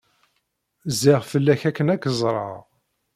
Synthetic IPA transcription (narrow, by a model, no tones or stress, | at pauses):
ziʁfəlːæçækːənækːəzˤɾˤɑ̰ʁ